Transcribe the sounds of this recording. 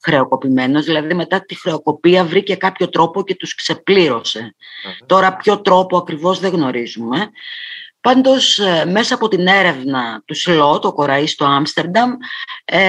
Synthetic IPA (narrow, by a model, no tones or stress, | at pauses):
xɾe̞o̞ko̞pime̞no̞zðilɐðime̞t̪ɐt̪ixɾe̞oko̞piɐvɾice̞kɐpço̞t̪ɾo̞po̞ce̞t̪uskse̞pliɾo̞se̞t̪o̞ɾɐpço̞t̪ɾo̞po̞ɐkɾivo̞zðe̞ɣno̞ɾizume̞ | pɐnd̪o̞sme̞sɐːpo̞t̪ine̞ɾe̞vnɐt̪uslo̞t̪o̞ko̞ɾɐist̪o̞ɐmst̪e̞ɾd̪ɐm